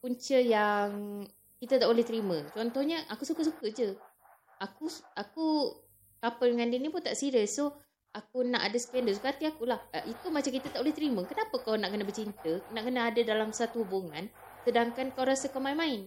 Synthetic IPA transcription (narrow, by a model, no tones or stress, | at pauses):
kuɲt͡ʃəjaŋ | kit̪at̪aʔbolɛht̪əɾimə̃t͡ʃɔnt̪ɔhɲəʔakusukəs̬ukəd͡ʒə | akuaku | kapəldəŋandinipʊnt̪aʔsiɾəso | ak̚unaʔadasə̥kiandəs̬ukat̪iakulahʔit̪umat͡ʃamkit̪at̪aʔbolɛht̪əɾiməkənapəkawnaʔkənəbərt͡ʃint̪ənaʔkənəːdadalamsat̪uhubuŋan | sədaŋkankawɾasakamainmãɪn